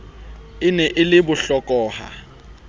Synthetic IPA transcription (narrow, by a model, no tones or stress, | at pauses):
ɪnɛʔɪlɪbʊɬɔkʼɔːha̰